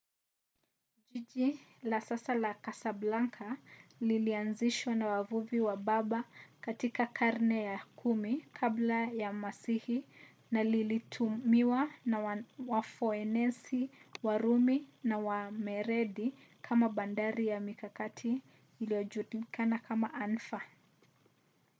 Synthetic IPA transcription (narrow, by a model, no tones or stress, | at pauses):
ʄiʄilasasalakasablaŋkʰalilianziʃwanawavuviwaɓaɓakatikakʰaɾnɛjakʰumikʰablajamasihi | nalilitʰumiwanawafɔɛnɛsiwaɾuminawamɛɾɛɗikʰamaɓandaɾijamikakatʰiː | lijɔʄuɾkʰanakʰamaʔan̩fa